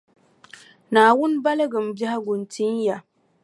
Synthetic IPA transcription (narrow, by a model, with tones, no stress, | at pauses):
naː˨wʊ˦nba˦la˦ɡɨ˨m˨ba˦ha˦ɡu˨nti˦n˦ja˨